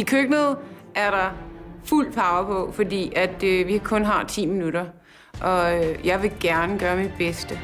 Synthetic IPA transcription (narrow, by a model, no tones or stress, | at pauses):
ikʰøɡ̥nəðˠʔæɐɾ̥ɑ̈ful̰d̥pʰɑ̈ʊəpʰɒ̽fɒ̽dḭːæd̥øʋiɑkʰɔ̽nɦɑ̈t͡sʰḭːminuɾɐ | ʔɒ̽øjɑ̈ɪʋe̝ɡ̥æɐnəɡ̥ɶːɐmid̥̚b̥esd̥ə